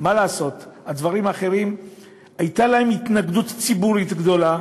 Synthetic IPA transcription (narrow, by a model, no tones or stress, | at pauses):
maleːso̞t̪hadvaʁimaχe̞ʁim | ajt̪alaemitnaɡdutt͡sibuʁit̪ɡd̪o̞la